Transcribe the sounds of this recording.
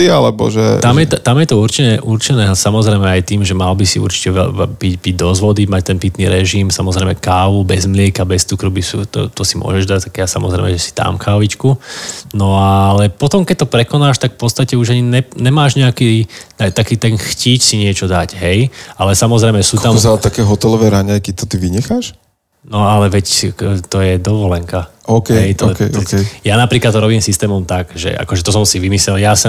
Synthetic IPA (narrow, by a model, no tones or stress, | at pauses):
ialɛbɔ̰ʒɛ̰t̪amjɛt̪ɔt̪amjɛt̪ɔuɾt͡ʃɛnɛʔuɾt͡ʃɛnɛːsamɔzɾɛɪmɛajt̪iːmʒɛmalbisiṵɾt͡ʃi̥cɛʋɛbiɟbiɟd̪ɔzʋɔd̪imac̚t̪ɛnpit̪niːɾɛʒimsamɔzɾɛɪmɛkaːʋubɛzmlɪɛkabɛst͡sukɾubisut̪ɔ̰t̪ɔsimʊɔ̰ʒɛʒd̪ac̚t̪akjasa̰mɔzɾɛ̰ɪmɛ̰ʒɛsi̥t̪a̰mkʰaːʋit͡ʃkunɔalɛpɔt̪ɔmkɛc̚t̪ɔpɾɛkɔnaːʃt̪akfpɔtt͡sst̪acɛuʒaɲiɲɛɲɛmaːʒɲɛakiat̪akiːt̪ɛnxciːcsiɲɪɛt͡ʃɔd̪acɦɛjʔalɛsamɔzɾɛɪmɛsuːt̪azat̪akɛːɦɔt̪ɛlɔʋɛːɾaɲajkit̪ɔt̪iʋiɲɛxaːʃ | nɔalɛʋɛct̪ɔjɛd̪ɔʋɔlɛŋkaʔɔkɛɦɛjt̪ɔkɛjaːnapɾiːklat̪ːɔɾɔbiːmsist̪ɛːmɔmt̪aɡʒɛ̰ʔa̰kɔʒɛt̪ɔs̬ɔmsiʋimislɛljasɛ